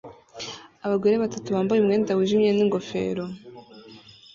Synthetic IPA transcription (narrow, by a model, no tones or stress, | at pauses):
aβaɡeɾeβatatuβaːmbajumŋe̞ːndawiʒimɲeniŋɡo̞fe̞̰ːɾo